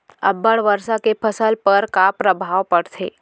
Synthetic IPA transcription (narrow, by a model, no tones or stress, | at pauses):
ɐ̰bːəɽʋəɾsakepʰəsəlpəɾkapɾəbʱaːʋpɐɽ̤t̪ʰḛː